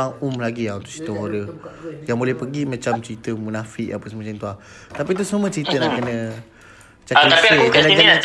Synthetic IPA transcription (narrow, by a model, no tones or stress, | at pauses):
aŋumlaɡiaunt̪ʊ̥ʔst͡ʃi̥t̪əɦodəjaŋbolɛhpəɡimãt͡ʃamt͡ʃəɾit̪əmunafɪʔapəsəmat͡ʃant̪ua | t̪apit̪̬usamə̃t͡ʃəɾit̪ənaʔkənə̃ | t͡ʃaasəd͡ʒalad͡ʒala